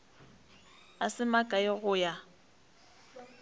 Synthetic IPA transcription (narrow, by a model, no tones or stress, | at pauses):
asɪmakʼaɪɣʊja